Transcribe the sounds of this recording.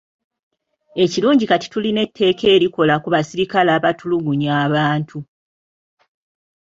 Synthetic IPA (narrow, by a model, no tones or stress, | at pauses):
e̞ciluːɲɟikati̥tuline̞tʰːe̞ːke̞ːɾiko̞lakuβasiɾikalaːβatuluɡuɲaːβaːntʰu